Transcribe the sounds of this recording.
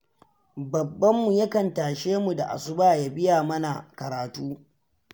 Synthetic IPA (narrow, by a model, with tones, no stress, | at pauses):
bɐ˨bːɐ˦mːu˨jɐ˦kɐ˨ntaː˨ʃeː˦mu˨da˨ʔa̰˨sʊ˦baː˦˨ja˦bɪ˦jaː˨mɐ˦na˨kɐ˨ɾaː˨tuː˦